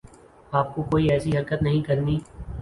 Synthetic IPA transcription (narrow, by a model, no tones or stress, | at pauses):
aːp̚kokoːiɛːsiɦɐɾkət̪nɐɦĩkɐɾniː